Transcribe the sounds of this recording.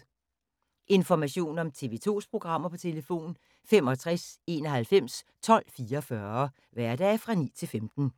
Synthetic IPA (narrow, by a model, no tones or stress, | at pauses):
e̝nfɒmæɕo̝̰ːnɒ̽mt͡sʰe̝ʋe̝̰ːt͡sʰo̝̰ːspʰʁo̝ɡ̥ʁɑ̈m̰ɐpʰɒ̽t͡sʰe̝ləfo̝̰ːn | femɒ̽t͡sʰʁase̝nɒ̽ɦælfem̰st͡sʰɒ̽l̰fiːɐfɶɐ | ʋæɐ̰d̥ɛ̰ːfʁɑ̈nḭːt͡sʰe̝lfemd̥n̩